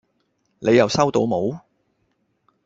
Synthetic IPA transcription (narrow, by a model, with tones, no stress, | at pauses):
nʔe˨˧jɐ˨˩wsɐ˥wt̪o˧wmo˨˧w